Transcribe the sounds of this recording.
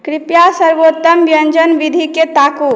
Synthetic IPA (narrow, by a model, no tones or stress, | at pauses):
kɾipjasəɾbot̪ːəmbjənd͡ʒənʋid̪ʱiket̪aku